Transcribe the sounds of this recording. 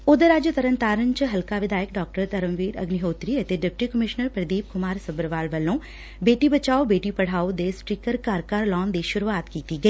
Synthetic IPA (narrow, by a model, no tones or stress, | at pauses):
ʊd̪əɾad͡ʒt̪ɐɾənt̪aːɾənt͡ʃɦɐlkaːʋɪd̪aːjək̚ɖɔːk̚ʈəɾt̪ɐɾə̃mʋiːɾɐ̰ɡnɪɦoːt̪ɾiɐt̪eɖɪp̚ʈikəmɪʃnəɾpɾəd̪iːp̚kʊmaːɾsɐbɾʋaːlʋɐlõː | beːʈibɐt͡ʃaːobeːʈipɐɽ̤aːod̪esʈɾiːkəɾkaːɾkaːɾlɔːnd̪iʃʊɾuaːt̪kiːt̪iɡɐeiː